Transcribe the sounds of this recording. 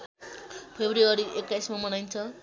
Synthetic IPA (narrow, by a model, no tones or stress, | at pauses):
pʰebɾiʌɾiʔekːajsmamʌnajnt͡sʰʌ